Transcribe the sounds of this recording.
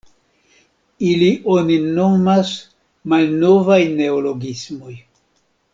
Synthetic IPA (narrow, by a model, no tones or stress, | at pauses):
iliʔonino̞mas | malno̞vajne̞olo̞ɡismoj